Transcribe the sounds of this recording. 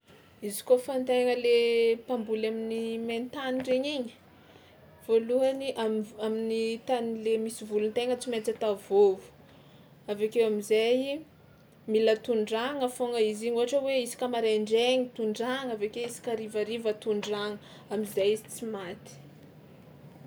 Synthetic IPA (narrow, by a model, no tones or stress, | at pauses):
izi̥kofant̪eŋəlepambulaminiment̪aniɖ͡ʐeɲiɲi̥ | v̥oluaniʔaaminit̪anilemisivulunt̪eŋət͡simet͡sət̪avovu̥ | avekewamizaj | milət̪uɳɖ͡ʐaŋəfoŋəiziɲoaʈ͡ʂəweisi̥kʲəmaɾeɳɖ͡ʐeɲit̪uɳɖ͡ʐaŋavekewisi̥kʲaɾivaɾivət̪uɳɖ͡ʐaŋə | amizajizit͡simat̪i̥